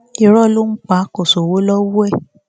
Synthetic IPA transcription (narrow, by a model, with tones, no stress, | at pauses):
i˧ɾɔ˦˨lu˦n̩˦k͡pa˨˦ko˨so˨wo˦lɔ˦wu˦ɛ˦˨